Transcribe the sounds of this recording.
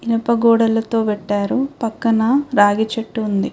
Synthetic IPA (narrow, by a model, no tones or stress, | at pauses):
ilɐpɐɡɔːɽɐlɐt̪o̞ːʋɛʈːaːɾupɐkːɐnɐɾaːɡit͡ʃɐʈːuund̪i